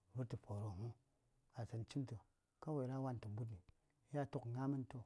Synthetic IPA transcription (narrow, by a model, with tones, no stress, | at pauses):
vu˦ɾti˨po˨ɾo˨mu˦ | a˨sa˨nt͡ʃi˦mto˨ | ka˦we˨ɾa˦wa˦n˨tu˨m˦bu˦t̬ni˨˦ | ja˦to˦kŋa˦mi˦nto˦